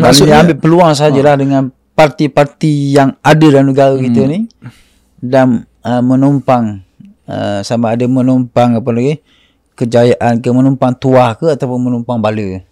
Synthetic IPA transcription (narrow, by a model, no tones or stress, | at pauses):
asniambɪʔpəluaŋs̬ad͡ʒəlahdəŋãn | part̪ipart̪ijaŋadədanəɡaɾəkit̪əni | dan | əmənumpaŋ | ə̰samaːdəmənɔmpaŋapalaɡe | kəd͡ʒajaʔankəmənumpaŋt̪uahkəat̪apʊnmənumpaŋbalə